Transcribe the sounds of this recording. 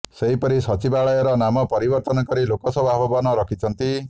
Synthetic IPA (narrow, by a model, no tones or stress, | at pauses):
seɦipɔɾisɔt͡ʃibaɭɔjɔɾɔnamɔpɔɾibɔɾt̪ɔnɔkɔɾilokɔsɔbabɔbɔnɔɾɔkʰit͡ʃʰɔnt̪i